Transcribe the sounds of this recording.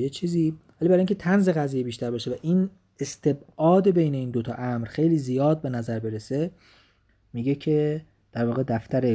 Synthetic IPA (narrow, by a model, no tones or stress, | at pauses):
et͡ʃʰiːziːvælibæɾːjiŋcʰet̪ʰænzeɣæziːjebiːʃt̪ʰæɾbɒːʃevæʔiːn | est̪ʰe̞bʔɒːd̪e̞be̞jne̞iːnd̪ot̪ʰɒ̰ːʔæmɾxe̞jliːzijɒːd̪̚be̞næzæɾbe̞ɾese | miːɟe̞cʰe̞ | d̪̥æɾvɒːɣed̪æft̪æɾe